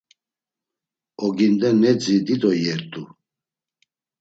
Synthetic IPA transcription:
ɔɡind̪ɛnɛd͡zid̪id̪ɔjɛɾt̪ʼu

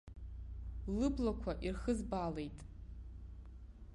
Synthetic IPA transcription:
lɨblakʷʰaʔirχɨzbalejtʼ

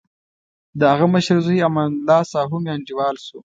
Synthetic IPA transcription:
d̪əaɣaməʃəɾzujamanlaːsaːɦumjaːnd͡ʒiwɑːlsu

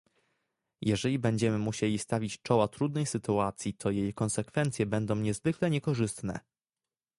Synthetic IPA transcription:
jɛʐɛlʲibɛɲd͡ʑɛmɘmuɕelʲist̪avʲit͡ɕt͡ʂɔwat̪ɾud̪nɛjsɘt̪uat̪sʲjit̪ʰɔjejkɔnsɛkfɛnt̪sʲjɛbɛnd̪ɔ̃w̃ɲɛzvɘklɛɲɛkɔʐɘst̪nɛ̰

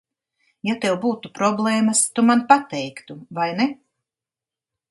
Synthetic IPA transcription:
jat̪ɛwbuːt̪upɾɔblˠɛːmast̪umanpat̪ɛjkt̪uvajnɛ

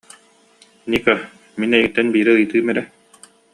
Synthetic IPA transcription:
nika | minɛjɡĭt̪ːɛnbiːɾiɯjt̪ɯːmɛɾɛ

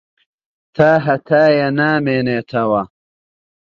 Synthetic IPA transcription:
t̪ʰaːɦɐt̪ʰaːjɐnaːmeːneːt̪ʰɐwɐ

